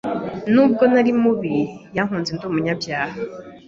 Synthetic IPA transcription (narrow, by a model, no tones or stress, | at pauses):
nuːb̚ɡo̞naɾimuβijaŋ̥huːnzenduːmuɲabjaːha